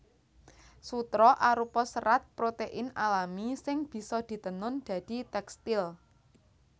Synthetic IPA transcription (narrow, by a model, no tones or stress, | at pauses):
sut̪ɾɔʔaɾupɔsəɾat̪̚pɾot̪eʔɪnalamisɪŋb̥i̤sɔd̪̥i̤t̪ənʊnd̪̥ä̤d̪̥i̤t̪ɛkst̪ɪl